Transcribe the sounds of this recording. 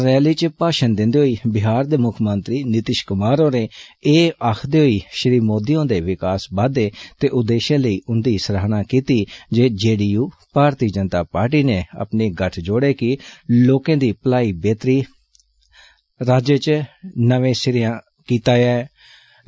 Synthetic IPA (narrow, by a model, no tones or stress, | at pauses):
ɾɛːliːt͡ʃpaːʃənd̪ɪ̃nd̪eːɦoːiːbɪɦaːɾd̪eːmʊkʰmənt̪ɾiːnɪt̪ɪʃkʊmaːɾõːɾeːeːaːkʰd̪eːɦoiːʃɪɾiːmoːd̪ijõːd̪eːʋɪkaːsbaːd̪eːt̪eːʔʊd̪eːʃãːləiːʔʊnd̪iːsəɾaːnaːkiːt̪iːd͡ʒeːd͡ʒeːɽiːjuː | paːɾt̪iːd͡ʒənt̪aːpaːɾʈ̬iːneːə̰pneːɡəʈʰd͡ʒoːɽeːkɪloːkẽːd̪iːpəlaːiːbeːt̪ɾiː | ɾaːd͡ʒeːt͡ʃnəʋẽːsɪɾɪjãː | kiːt̪aːjaːɛː